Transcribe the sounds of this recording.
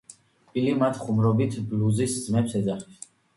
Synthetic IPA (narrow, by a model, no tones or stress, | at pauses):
pʼilimat̪ʰχumɾɔbit̪ʰbluziszmɛpsɛd̪zaχɛps